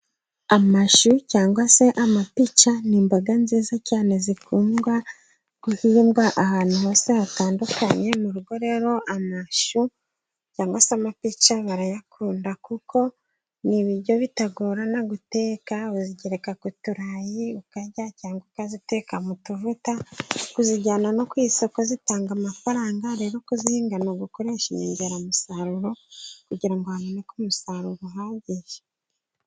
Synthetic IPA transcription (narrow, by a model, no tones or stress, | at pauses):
amaʃucaːŋɡwase̞ʔamapit͡ʃaniːmbaɡanziːzacaːne̞zikʰuːmɡwa | ɡ̥uhiːmɡwaʔahaːn̥huho̞ːseβataːndukaɲe̞muɾuɡo̞ɾe̞ɾo̞ʔamaʃu | caːŋɡwaseamapit͡ʃaβaɾajakʰuːndakukʰo̞ | niβiɾɟo̞βitaɡoːɾanaɡute̞ːkauziɟeɾekakutuɾajiukaɟacaːŋɡokazite̞ːkamutuvutakuziɟaːnano̞kwiːso̞ko̞zitaːŋɡamafaɾaːŋɡaɾe̞ːɾo̞kuziːŋɡanoɡuko̞ɾe̞ːʃiɲeːɲɟeɾamusaɾuɾo̞kuɟiɾaŋɡoamonekumusaɾuɾoɦaːɟiʒe